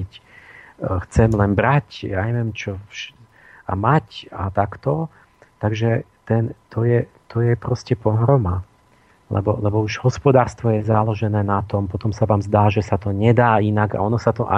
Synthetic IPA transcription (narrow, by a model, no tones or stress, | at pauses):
c | xt͡sɛmlɛnbɾacja̰ɲɛʋjɛmt͡ʃɔfʃ | a̰macat̪akt̪ɔ | t̪aɡʒɛt̪ɛnt̪ɔjɛ | t̪ʰɔjɛpɾɔscɛpɔɦɾɔma | lɛ̰bɔlɛbɔuʒhɔspɔd̪aːɾst̪ʋɔjɛzalɔʒɛnɛːnat̪ɔmpɔt̪ɔmsaʋaːmzd̪aːʒɛsat̪ɔɲɛd̪aːinaɡa̰ɔnɔsat̪ɔʔa̰